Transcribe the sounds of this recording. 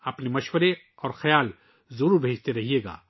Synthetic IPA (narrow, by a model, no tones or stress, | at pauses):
ɐpnemɐʃwəɾe | ɔːɾxɐjaːl | zɐɾuːɾbʱeːd͡ʒt̪eɾɐɦieːɡa̰ː